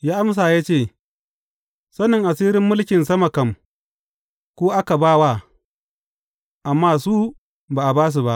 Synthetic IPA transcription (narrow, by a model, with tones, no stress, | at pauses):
jaː˦ʔa˦ms̬aː˨jaː˦t͡ʃeː˦˨ | sɐ˦nɪ˨ŋʔa˨siː˦ɾɪ˦mːʊ˦lkʲɪ˨nsɐ˦mɐ˨kɐ˦˨m | kʷoː˦ʔa˦ka˨baː˦wa˦˨ | ʔa˨mːaː˦suː˦ | baː˨ʔa˨baː˦s̬u˨ba˦ʔ